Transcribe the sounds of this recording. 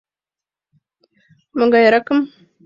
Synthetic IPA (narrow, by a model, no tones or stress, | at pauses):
məŋɡajaɾakɨm